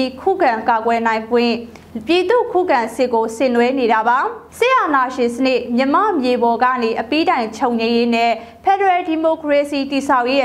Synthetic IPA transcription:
i˨kʰṵ˦˨ɡã˨ŋka˨ɡwɛ˨nã˨ɪ̃ŋɡwɪ̰̃˦˨ | pji˨d̪ṵ˦˨kʰṵ˦˨ɡã˨sɪ˦ʔkːo˨sɪ̃˦˨nwɛ˦ne˨ɾa˨ba˨sɪ˦ʔa˨na˨ʃɪ̃˨sənɪ˦˨ʔmjə˨mä̰˦˨mje˨bɔ˨ɡä̰˦˨ne˨ʔəpi˦dã˨ɪ̃ɲt͡ɕʰo˨ʊ̃ɲẽ˨je˦nɛ˦˨ | pʰɛ˨dəɹɛ˨di˨mo˨kɹe˨si˨ti˨sʰa˦ʊʔje˦ʔ

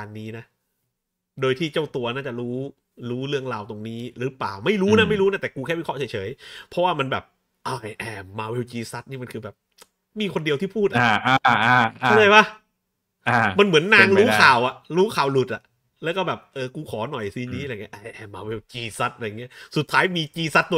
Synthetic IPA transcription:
aː˧nːiː˦˥na˦˥ | doː˧jt̪ʰiː˥˩t͡ɕaː˥˩wt̪u˧ɐnaː˦˥˩t͡ɕa˨˩ɾuː˦˥ | ɾuː˦˥ɾɯ˥˩əŋɾaː˧wt̪o˧ŋniː˦˥ɾɯː˨˩˦plaː˨˩wma˥˩jɾuː˦˥na˦˥ma˥˩jɾuː˦˥na˦˥˩t̪ɛː˨˩kuː˧kʰɛː˥˩wi˦˥kʰɔ˥t͡ɕʰa˩˦jt͡ɕʰɤː˩˦jpʰɔ˦˥waː˥˩ma˧nbɛː˨˩p̚ | ʔaː˧˩ʔa˧˩jʔɛː˨˩maː˧we˧wt͡ɕiː˧sa˦˥t̪̚niː˥˩ma˧nkʰɯː˧bɛː˨˩p̚ | miː˧kʰo˧ndi˧ət̪ʰiː˥˩pʰuː˥˩t̪̚ʔa˨˧˩ʔaː˧ʔa˧˩a˧˥˩t͡ɕʰaː˥˩jwa˦˥˩ | a˧˩ma˧nmɯ˩˦ənːa˧ŋɾuː˦kʰaː˨˩wʔa˨˩ʔɾuː˦˥kʰaː˨˩wlu˨˩t̪̚ʔa̰˨˩ʔ | lɛː˦˥wkɔ˥˩bɛː˨˩p̚ʔɤː˧kuː˧kʰɔː˩˦nɔ˨˩jsiː˧niː˦˥ʔŋi˦˥ʔa˧˩ʔa˧jʔɛː˧˩maː˧we˧wt͡ɕiː˧sa˦˥t̪̚ʔjŋːi˦˥ɐsu˨˩t̪ʰːaː˦˥jmiː˧t͡ɕiː˧sa˦˥t̪ːu˧

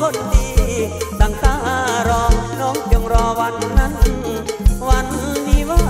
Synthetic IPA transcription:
o˧˥˩ndiː˧t̪aː˨˩ŋt̪aː˧˥˩ʔa˧˩ɾɔː˧nɔː˧˥ŋt͡ɕo˧ŋɾɔː˧wa˧˥nːa˧˥˨n | wa˧˥n˧miː˧˥waː˧˩

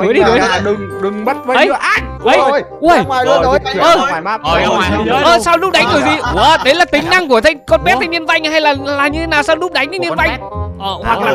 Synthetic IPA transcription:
kɨ˨˦ɗi˧ɗɨ˨˦˨ɗɨ˨˩ŋɗɨ˨˩ŋɓə˦˥t̚vəː˨˦ɗə˦˧˦jɨ˧˦ʔa˧ | ə˨˧˦jə˧˨jʔəː˨˩˧ʔəː˨˩saː˧wlʊ˦˥k͡p̚ɗa˨˦ŋ̟ɗ̪ɨ˨˩ək̚t̪i˨˩əː˧˩ɗə˨˦jlaː˨˩t̪ï˨˦ŋ̟na˧ŋku˧˩ət̪ʰə˧ŋkɔ˧nmɛ˦˥t̪ʰːni˧ənva˧jŋ̟ha˧jlaː˨˩laː˨˩ɲɨ˧t̪ʰe˨˦naː˨˩wsaː˧wlʊ˦˥k͡p̚ɗa˨˦jŋ̟n˨˧˦ɲi˧ənva˧j | hwa˨˩k̚laː˨

